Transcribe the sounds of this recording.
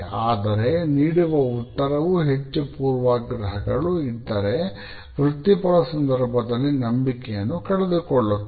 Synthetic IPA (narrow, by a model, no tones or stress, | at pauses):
aːd̪ɐɾe̞niːɽuʋɐut̪ːɐɾɐʋuɦet͡ʃːupuːɾʋaːɡɾɐɦɐɡɐɭuid̪ːɐɾe̞ | ʋɾut̪ːipɐɭɐsɐnd̪ɐɾbʱɐd̪ɐlːinɐmbikɛjɐnːukɐɽed̪ukɔɭːu